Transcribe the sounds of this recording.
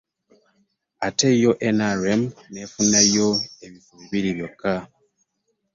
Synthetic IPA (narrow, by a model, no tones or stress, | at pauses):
atejoʔenaɾemnefunajoeβifuβiβiɾiβjokːa